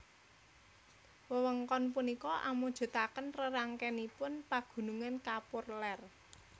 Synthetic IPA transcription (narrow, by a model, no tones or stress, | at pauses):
wəwəŋkɔnpunikɔʔa̰mud̥ʒ̥o̤t̪akənrəɾaŋkɛnipʊnpaɡ̥ṳnuŋankapʊrlɛr